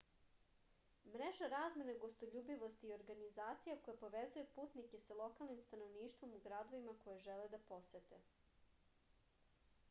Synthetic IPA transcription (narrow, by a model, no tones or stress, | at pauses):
mɾeʒaɾaːzme̞naɡo̞st̪oʎuːbiʋo̞st̪iːo̞ɾɡanizaːt̪sijako̞japo̞ʋezujepuːt̪nike̞salˠo̞kalˠnimst̪ano̞ʋniːʃt̪ʋo̞muɡɾad̪o̞ʋimako̞jeʒeled̪apo̞set̪e̞